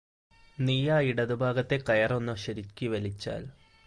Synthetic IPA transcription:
nijaːiɽɐðubʱaːɡɐt̪ːe̞kɐjɐronːɐɕɐɾikʲːiʋɐlit͡ɕːa̰ːl

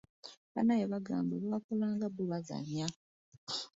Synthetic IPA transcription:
βa̰najeβaɡaːmbuβaːkolaːŋɡaβuβaza̰ɲja

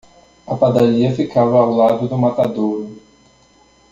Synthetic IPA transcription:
ɐpad̪aʎiɐfikavɐːwlad̪ʊd̪ʊmat̪ad̪oɾ

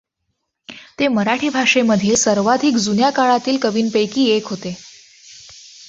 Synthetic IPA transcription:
t̪eməɾaʈʰiːbʱaʂeməd̪ʱiːlsəɾʋat̪ikd͡zunjakaɭat̪iːlkəʋiːnpəjkiːekɦot̪e

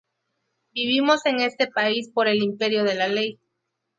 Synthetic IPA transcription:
biβ̞imo̞se̞ŋe̞st̪e̞paispo̞ɾe̞limpe̞ɾjo̞ðe̞lalej

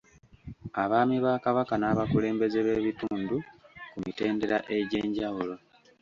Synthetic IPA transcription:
aβaːmiβaːkaβakanaβakule̞ːmbe̞zeβe̞βituːndukumite̞ːnde̞ɾaʔe̞ɟe̞ːɲɟawulo̞

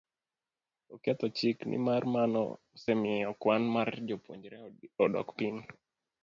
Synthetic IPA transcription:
ɔkɛt̪ɔt͡ʃiknʔḭmarmanɔ̰ | sɛmiɔkwanmard͡ʒopwo̰ɲd͡ʒɾɛɔɗɔ̰kpin

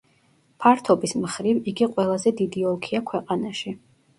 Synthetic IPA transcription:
pʰaɾt̪ʰɔbismχɾiviɡiqʼwɛlˠazɛd̪id̪iɔlˠkʰiakʰwɛqʼanaʃi

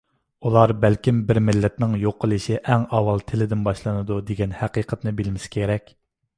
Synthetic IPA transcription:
ulˠɑɾbɛlkʲimbɪɾmɪlːɛt̪nɪŋjoqʰːəlˠɨʃiʔɛŋɑwɑlˠt̪ʰɪlɪd̪ɪnbɑʃlˠɨnɨd̪ud̪eɡʲɛnhæqiːqʰət̪nɨbɪlmɪsɪ̥kʲʰeɾɛkʲ

